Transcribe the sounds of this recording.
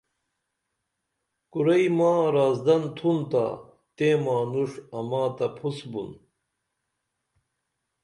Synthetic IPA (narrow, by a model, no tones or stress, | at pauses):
kuɾɐjmaːɾaːzd̪ɐnt̪ʰunt̪a̰ | t̪eːmaːnuʂɐmaːt̪ɐpʰusbṵn